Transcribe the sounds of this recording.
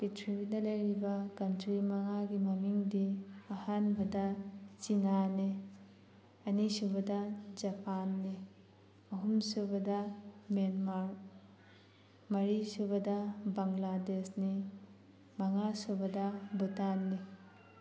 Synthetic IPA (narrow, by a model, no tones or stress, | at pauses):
pitʰɾibinɐlɐjɾibɐkɐntʰɾimɐŋaɡimɐmiŋdiɐhanbɐdɐt͡ʃinani | ɐnisubɐdɐd͡ʒɐpʰanːi | ɐɦumsubɐdɐmenmaɾ | mɐɾisubɐdɐbaŋladesni | mɐŋasubɐdɐbutanːi